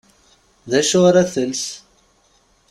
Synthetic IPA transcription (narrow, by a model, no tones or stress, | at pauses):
ðæʃʊɾæθəls